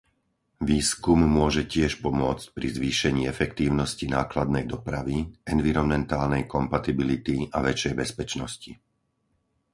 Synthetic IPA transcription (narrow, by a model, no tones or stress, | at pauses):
ʋiːskumːʊɔʒɛcɪɛʃpɔmʊɔt͡sc̚pɾizʋiːʃɛɲiːɛfɛkt̪iːʊnɔscinaːklad̪nɛjd̪ɔpɾaʋiɛnʋiɾɔnmɛnt̪aːlnɛjkɔmpat̪ibilit̪iaʋɛt͡ʃɛjbɛspɛt͡ʃnɔsci